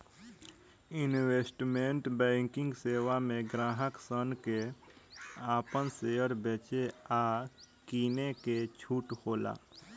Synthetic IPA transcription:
ɪnweːsʈmẽɳʈbɛ̃ːŋkɪ̃ŋɡseːʋamẽɡɾãːɦəksənke | aːpənseːəɾbeːt͡ʃeaː | kiːneket͡ʃʰuːʈhoːla̰ː

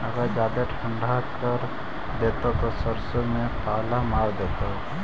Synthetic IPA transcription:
ɐɡəɾd͡ʒjaːd̪eʈʰə̃ɳɖʱakəɾ | d̪eːt̪ot̪osəɾsomẽpaːlamaːwd̪eːt̪o

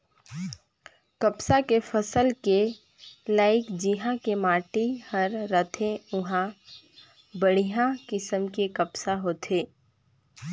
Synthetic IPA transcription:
kəpsakefʰəsəlke | laːɪkd͡ʒɪɦãkemaːʈihəɾːət̪ʰẽʊɦã | bəɽ̤ijãkɪsəmkekəpsaɦoːt̪ʰeː

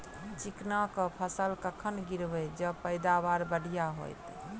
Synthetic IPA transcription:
t͡ʃiknakəpʰəsəlkəkʰənɡiɾbɛd͡ʒəpəjd̪abaɾbəɽ̤ijaɦo̰jt̪

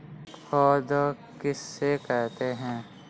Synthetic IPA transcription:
fʰɔːd̪a | kɪsːekɛɦt̪eɦɛ̃ː

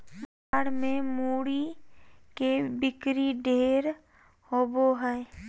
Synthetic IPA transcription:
m | aːɽmẽmuːɽi | kebɪkɾiɖʱeːɾ | oːboɦɛe

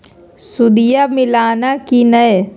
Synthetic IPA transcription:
sʊd̪ijamɪlaːnakinɐj

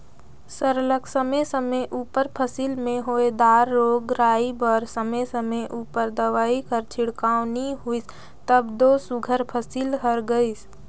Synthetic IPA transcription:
səɾləksəmesəməʔuːpəɾpʰəsilmẽɦoːed̪aːɾːoːɡɾaːibəɾsəmesəmeʔuːpəɾd̪əʋaːikəɾt͡ʃʰɪɽkaːʊniɦuis | t̪əbd̪oːsʊɡʱəɾpʰəsiːlɦəɾɡəis

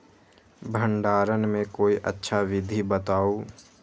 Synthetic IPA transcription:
bʱə̃ɳɖaːɾənmẽkoːiʔə̰tːʃʰaʋɪd̪ʱibət̪aːoː

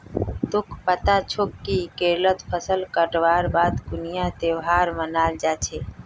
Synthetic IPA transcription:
t̪ʊkʰpət̪at͡ʃʰʊkːikeɾlət̪pʰəsəlkəʈʋaːɾbaːd̪ɡʊnijat̪ewɦaɾmənaːld͡ʒat͡ʃʰe

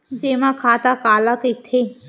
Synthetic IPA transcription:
d͡ʒeːmãkʰaːt̪akaːlakit̪ʰe

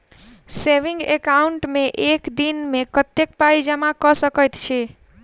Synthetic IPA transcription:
seʋĩŋɡekauɳʈmeʔekd̪inmekət̪ːekpaid͡ʒəmakɔsəkəjt̪t͡ʃʰɛ

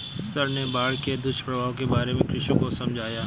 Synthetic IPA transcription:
səɾnebaːɽked̪ʱʊʃəɽʋaːõkebaːɾemẽkɾɪʃõkosɐ̃md͡ʒʱaːjaː

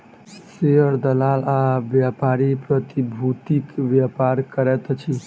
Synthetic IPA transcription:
seəɾd̪əlalaʋjapaɾipɾət̪ibʱut̪ikʋjapaɾkəɾɛt̪t͡ʃʰi

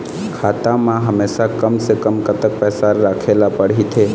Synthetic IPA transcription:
kʰaːt̪ãmãɦəmeːsakəmsekəmkət̪ək̚pɛːsaɾaːkʰeːlapəɽ̤it̪ʰeː

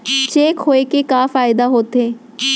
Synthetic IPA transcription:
t͡ʃeːkɦoːekekaːfaːɪd̪aɦoːt̪eː

